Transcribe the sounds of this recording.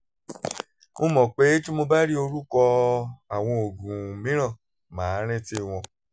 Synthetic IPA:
mo˦mɔ̃˨k͡pe˨˦tĩ˦mo˧ba˦ɾi˦o˧ɾu˦kɔ˧a˨w̃ɔ̃˧o˨ɡũ˨mĩ˨˦ɾ̃ã˦˨ | mãː˨˦ɾ̃ɛ̃˦ti˦w̃ɔ̃˧

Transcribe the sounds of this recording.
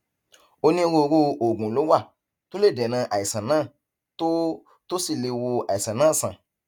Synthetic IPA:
o˧nĩ˦˧wo˧ɾo˧o˨ɡũ˨lo˨˦wa˦˨ | to˦le˦˨dɛ˨nã˧˦ʔa˨i˨sã˨nãː˦˨ | to˦ | to˦si˦˨le˧wo˧a˨i˨sã˨nãː˦˨sã̰˨

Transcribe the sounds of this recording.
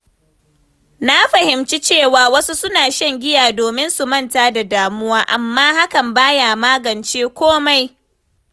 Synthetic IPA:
na˦ɸɐ˨hɪ˨mt͡ʃi˦t͡ʃeː˦˨waː˨wɐ˦su˦sʊ˦naː˨ʃɐ˦ŋɡʲɪ˦jaː˨doː˨mɪ˦nsu˨mɐ˦˨ntaː˦da˨daː˨mʊ˦waː˦ʔa˨mːaː˦ha˦kɐ˨mbaː˦jaː˨maː˦ɡɐ˨nt͡ʃeː˦kʷoː˦ma˦j

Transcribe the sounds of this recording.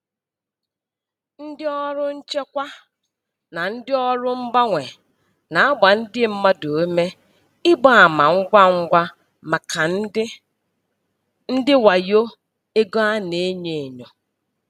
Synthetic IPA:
n̩˦dɪ˦ɔ˦ɾʊ˦n̩˦t͡ʃe˦kʷa˦ | na˨n̩˦dɪ˦ɔ˦ɾʊ˦m̩˦ba˦ŋʷe˨ | na˨a˦ɡ͡ba˨n̩˦dɪ˦m̩˦ma˦do˨˦me˦ | ɪ˦ɡ͡ba˦a˨ma˨ŋ̩˦ɡʷa˦ŋ̩˦ɡʷa˦ | ma˨kʰa˨˦ | n̩˦dɪ˦wa˨jo˦ | e˦ɡo˦a˦ne˨˦e˦ɲe˨e˨ɲo˨

